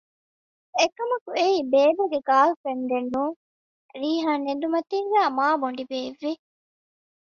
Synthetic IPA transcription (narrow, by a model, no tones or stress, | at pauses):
ekɐmɐkueiːbeːbeɡeɡaːlufend̪enːuːŋ | ɾiːɦaːnend̪umɐt̪iːŋɡæːmaːboɳ̆ɖibeːʋːi